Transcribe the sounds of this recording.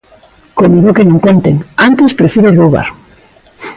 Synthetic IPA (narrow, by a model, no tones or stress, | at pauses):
komiðokenõŋkont̪eŋant̪espɾefiɾorowβa̰ɾ